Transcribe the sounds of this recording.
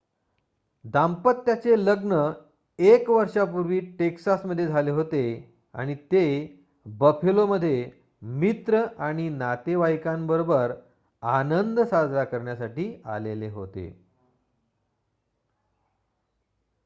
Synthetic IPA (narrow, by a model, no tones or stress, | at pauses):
d̪ampət̪ːjat͡seləɡnə | ekʋəɾʂapuɾʋiːʈeksasməd̪ʱːjed͡zʱaleɦot̪e | a̰ɽ̃it̪e | bəpʰeloməd̪ʱːje | mit̪ɾəʔaɽ̃inat̪eʋajkãmbəɾobəɾ | anənd̪sad͡zʱɾakəɾɳjasaʈiːa̰leleɦo̰t̪ḛ